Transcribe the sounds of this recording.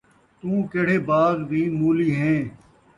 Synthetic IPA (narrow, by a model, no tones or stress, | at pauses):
t̪ũːkeːɽ̤eːbaːd̪bʱiːmuːliːɦɛ̃ː